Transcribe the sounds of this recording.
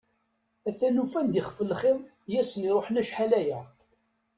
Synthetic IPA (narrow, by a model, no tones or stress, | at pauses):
æθænufænd̪iχfəlχɪðˤ | jæsəniɾˤoħnæʃħalæjæ